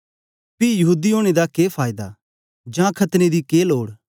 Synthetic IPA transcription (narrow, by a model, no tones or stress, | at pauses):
pijɐɦuːd̪ioːɽ̃ed̪akeːpʰaːɪd̪a̰ | d͡ʒãːkʰɐt̪ned̪ikeːloːɽ